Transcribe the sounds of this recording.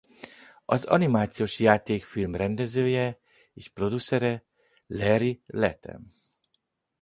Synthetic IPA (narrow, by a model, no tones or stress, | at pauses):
ɒzɒ̰nimaːt̪sioːʃjaːt̪eːkfilmrɛnd̪ɛzøːjɛ | eːʃpro̞d̪usɛɾɛ | lɛɾilɛt̪ɛ̰m